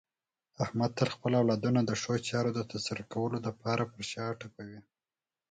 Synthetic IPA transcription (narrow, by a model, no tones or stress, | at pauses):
ahmad̪̚t̪əlxpəlawlɑd̪unad̪əʂot͡ʃɑɾod̪ət̪asaɾakawəlolapɑɾapəɾʃɑʈapawi